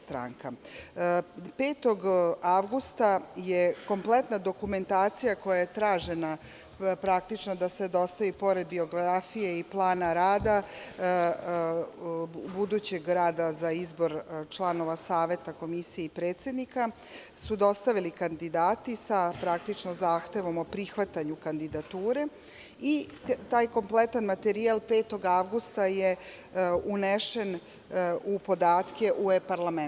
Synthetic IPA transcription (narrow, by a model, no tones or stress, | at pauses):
st̪ɾa̰ŋka | peːt̪o̞ɡaʋɡust̪ajeko̞mplet̪nad̪o̞kume̞nt̪aːt̪sijako̞jaje̞t̪ɾaːʒe̞na | pɾak̚t̪it͡ʃno̞d̪ased̪o̞st̪aʋipo̞ɾe̞d̪bio̞ɡɾɾafije̞iplˠaːnaɾaːd̪a | bud̪ut͡ɕe̞ɡɾaːd̪azaizbo̞ɾt͡ʃlˠano̞ʋasaːʋe̞t̪ako̞misijeipɾeːt̪sje̞d̪nika | sud̪o̞st̪aʋilikand̪id̪aːt̪isapɾakt̪it͡ʃnozaːxt̪e̞ʋo̞mo̞pɾixʋat̪aɲukand̪id̪at̪uːɾe̞ | it̪aːjko̞mplet̪anmat̪eɾialpe̞ːt̪o̞ɡaʋɡust̪aje | uneʃe̞n | upo̞d̪aːt̪ke̞ʔuepaɾlamen